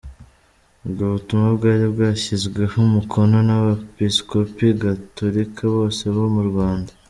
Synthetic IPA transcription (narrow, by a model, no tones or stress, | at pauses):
uβɡoβutumabɡaːɾibɡaːçizɡwe̞humukʰo̞no̞naβapisko̞piɡatoɾikʰaβo̞ːse̞βo̞muɾɡwaːnda